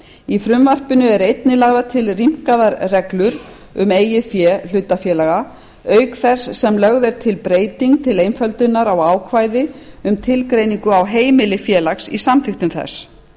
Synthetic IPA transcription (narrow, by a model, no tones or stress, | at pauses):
ifɾʏmvar̥pʏnʏɛɾejt̪nɪlaːɣðat̪ʰɪlrim̥kaðaɾrɛklʏɾ | ʏmeːjɪfjɛl̥ʏːt̪afjɛːlaɣa | œːɥkθɛsːɛmlœɣðɛɾ̥t̪ʰɪlpɾeːjt̪iŋk̚t̪ʰɪlejnfœlt̪ʏnːaɾawaːwkʰvaːjðɪʏmt̪ʰɪlkɾejniŋkʏawɦeːjmɪlɪfjɛːlaxsḭsamfɪxt̪ʏmθɛ̰s